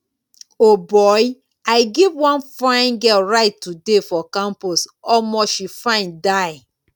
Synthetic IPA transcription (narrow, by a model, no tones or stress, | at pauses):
obɔj | aɪɡivwãnfɹãɪ̃nɡɛlɹaɪtːudefɔkãmpɔsɔmɔʃifãɪ̃ndaɪ